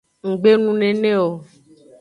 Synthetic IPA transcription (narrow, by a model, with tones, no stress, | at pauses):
ŋ̩˨ɡ͡be˦nũ˦nẽ˨nẽ˦o˨